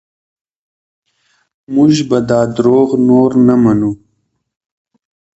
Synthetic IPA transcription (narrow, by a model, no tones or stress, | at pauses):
mʊʒbɐd̪ɑːd̪ɾoːɣnoːɾnɐmɐnu